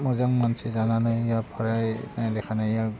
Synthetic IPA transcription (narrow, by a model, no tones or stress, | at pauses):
mɔzaŋmansizananajjapʰɔɹajnajlɛkʰanajja